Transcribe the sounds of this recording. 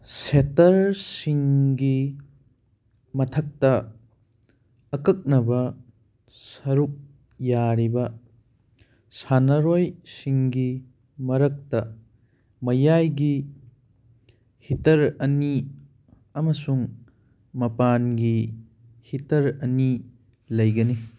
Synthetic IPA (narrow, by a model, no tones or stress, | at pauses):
setɐɾsiŋɡi | mɐtʰɐk̚tɐ | kɐk̚nɐbɐ | sɐɾuk̚ | jaɾibɐ | sanɐɾojsiŋɡi | mɐɾɐk̚tɐ | mɐjajɡi | hitɐɾɐni | ɐmɐsuŋ | mɐpanɡi | hitɐɾɐni | lɐjɡɐni